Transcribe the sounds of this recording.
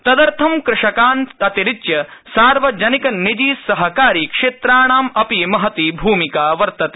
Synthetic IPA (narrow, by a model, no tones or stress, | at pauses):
t̪ɐd̪ɐɾt̪ʰɐmkɾɪʂɐkaːnt̪ɐt̪iɾitjɐsaːɾʋɐd͡ʒɐnikɐnːid͡ʒiːɐɦɐkaːɾiːkʂeːt̪ɾaːɳaːmɐpimɐɦɐt̪ibʱuːmikaːʋɐɾt̪ɐt̪e̥